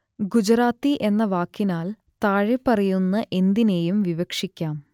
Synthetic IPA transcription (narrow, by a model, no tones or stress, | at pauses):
ɡud͡ʑɾaːt̪ːiʔe̞nːɐʋaːkːinaːl | t̪aːɻepːɐrɐjunːɐʔe̞nd̪ine̞jumʋiʋɐkʂikʲːaːm